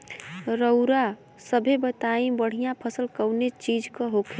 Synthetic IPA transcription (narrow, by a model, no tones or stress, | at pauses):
ɾəʊɾa | səbʱebət̪aĩbəɽ̤ijãpʰəsəlkəʊnet͡ʃid͡ʒkəɦokʰe